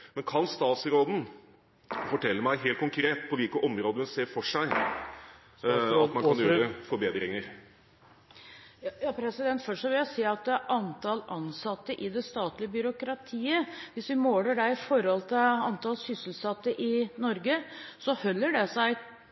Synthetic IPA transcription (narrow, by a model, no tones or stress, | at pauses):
mɛnkʰɑnst̪ɑːt̪sɾoːd̪n̩ | fɔʈʰɛlːəmæɪɦeːlt̪̚kʰʊŋkʰɾeːt̪pʰɔʋɪlkəʔɔmɾoːd̪əmɛnseːɾfɔʂæɪ | ɑt̪mɑnkʰɑnjøːɾəfɔɾbeːd̪ɾɪŋəɾ | jɑːpʰɾɛsɪd̪ɛnt̪fœʂʂɔʋɪljæsiːɑt̪̚d̪ɛæɾʔɑnt̪ʰɑlɑnsɑt̪ːəʔɪd̪ɛst̪ɑːt̪lɪəbʏɾʊkɾɑt̪ʰiːəʋɪsʋɪmoːləɖɛɪfɔɾɔlt̪ʰɪlɑnt̪ɑlsʏsəlsɑt̪ːəʔɪnɔɾɡəsɔhœlːəɖɛsæɪ